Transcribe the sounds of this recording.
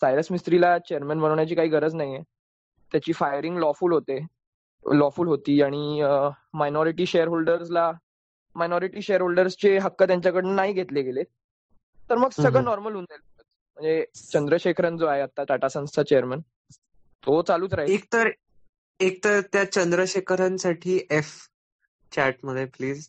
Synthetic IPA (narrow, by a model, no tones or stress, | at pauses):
sajɾəsmist̪ɾilat͡ɕejəɾmənbʱənəʋɳjat͡ɕiːkaɦiːɡʱəɾəd͡znaɦie | t̪jat͡ɕiːfajəɾĩŋɡlɔfuːlɦot̪e | lɔfuːlɦot̪iːaɽ̃i | majnɔɾiʈiːɕejəɾɦolɖəɾsla | majnɔɾiʈiːɕejəɾɦolɖəɾst͡seɦəkːət̪jaɲt͡ɕjakəɽennaɦiɡʱet̪leɡele | t̪əɾməɡsəɡɭənɔɾməlund̪elboət͡s | m̤əɳd͡zet͡ɕənd̪ɾəɕekʰɾãnd͡zoaɦeat̪ːat̪aʈasə̃w̃st̪ʰat͡ɕejəɾmən | t̪ot͡saluːt͡sɾaɦeek̚t̪əɾ | ek̚t̪əɾt̪jat͡ɕənd̪ɾəɕekʰəɾãnsaʈʰiːʔef | t͡ɕæʈ̚məd̪ʱjepliːd͡z